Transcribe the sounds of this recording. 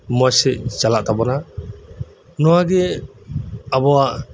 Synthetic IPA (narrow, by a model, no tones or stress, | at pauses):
mɔsɛʔd͡ʒalaʔt̪abɔna | nɔwaɡɛ | abɔwaʔ